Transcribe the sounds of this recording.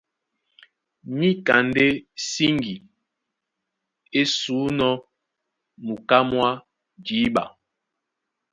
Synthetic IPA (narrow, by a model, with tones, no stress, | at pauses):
mi˦ka˨nde˦si˦ŋɡi˨ | e˦suː˨˦nɔ˦ | mu˨ka˦mwa˦ | d͡ʒiː˨˦ɓa˨